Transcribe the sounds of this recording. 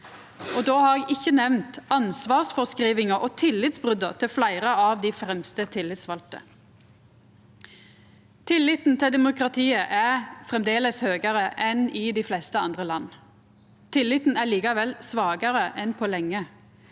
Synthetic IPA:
od̪oːhɑːʁɛɡɪçːənɛʋnt̪ɑnsʋɑːʁsfɔskʁiːʋɪŋəʔɔːt̪ʰɪlːɪt̪sbʁʏd̪əʁt̪ʰɪlflæɪʁəɑʋd̪ɪfʁɛmst̪ət̪ʰɪlːɪt̪sʋɑlt̪ə̰ | t̪ʰɪlːɪt̪n̩t̪ʰɪld̪ɛmʊkʁɑt̪ʰiːəʔæfʁɛmd̪eːləshøːɡəɾəʔɛnɪd̪iflɛst̪əɑnd̪ʁəlɑnː | t̪ʰɪlːɪt̪n̩æɭiːkɑʋɛlsʋɑːɡəɾəʔɛnpʰoːlɛŋːə

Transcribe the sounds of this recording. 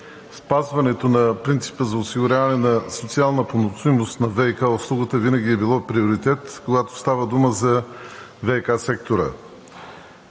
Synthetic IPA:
spazvɐnɛt̪onɐpɾint̪si̥pəzɐosiɡʊɾʲavɐnɛnɐsot̪sialˠnəponosujmost̪nɐvɛikaoslˠuɡət̪əvinɐɡʲiɛbilˠɔpɾioɾit̪ɛt̪koɡat̪o̥st̪avəd̪uməzɐ | vɛkasɛk̚t̪oɾə̰

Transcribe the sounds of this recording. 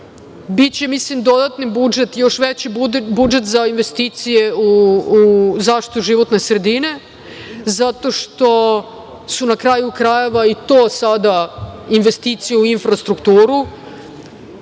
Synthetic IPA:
bit͡ɕemislimd̪o̞d̪at̪nibud͡ʒe̞t̪jo̞ʃʋet͡ɕibud͡ʒe̞t̪zainʋe̞st̪iːt̪sijeu | zaːfʃt̪i̥t̪uʒiʋo̞t̪ne̞sɾe̞d̪ine̞ | zat̪o̞ʃt̪o̞ | sunakɾaːjukɾaje̞ʋait̪oːsad̪ainʋe̞st̪iːt̪sijeuinfɾast̪ɾukt̪uːɾu

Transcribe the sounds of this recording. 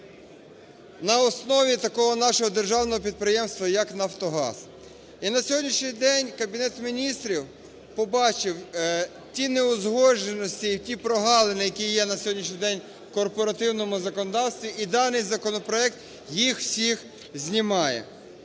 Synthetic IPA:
nɐɔsnɔʋʲit̪ɐkɔɦɔnɑʃɔɦɔd̪erʒɑwnɔɦɔpʲid̪̚pɾɪjɛmst̪ʋɐjɐknɐwt̪ɔɦɑ̰s | inɐsʲɔɦɔdʲnʲiʃnʲijd̪ɛnʲkɐbʲinɛt̪mʲinʲist̪ɾʲiw | pɔbɑt͡ʃɪw | tʲineʊzɦɔʒenɔsʲtʲiːwtʲipɾɔɦɑlˠenɪjɐkijjɛnɐsʲjɦɔdʲnʲiʃʲɲʲijd̪ɛnʲ | kɔrpɔɾɐt̪ɪwnɔmʊzɐkɔnɔd̪ɑwst̪ʋʲiʔːd̪ɑnɪjzɐkɔnɔpɾɔɛk̚t̪ | jixwsʲix | zʲnʲimɑjɛ̰

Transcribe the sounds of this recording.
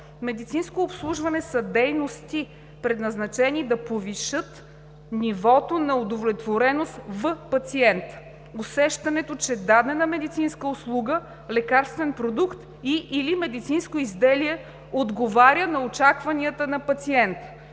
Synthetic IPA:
mɛd̪it̪sinskoːpslˠuʒvɐnɛsɐd̪ɛjnost̪i | pɾɛd̪nɐznɐt͡ʃɛnid̪ɐpoviʃɤt̪ | nivɔt̪onɐod̪ovlʲɛt̪voɾɛnost̪vəpɐt̪siɛnt̪ | osɛʃt̪ɐnɛt̪ot͡ʃɛd̪ad̪nɛnɐmɛd̪it̪sinskəʊslˠuɡə | lɛkaɾst̪vɛnpɾod̪ukt̪ | iʔːlimɛd̪it̪sinskoizd̪ɛliɛ | od̪ɡovaɾʲjənɐot͡ʃakvɐniət̪ənɐpɐt̪siɛnt̪ə̥

